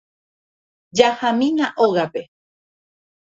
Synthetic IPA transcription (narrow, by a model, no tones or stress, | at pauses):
d͡ʒahamĩnaʔoɣape̞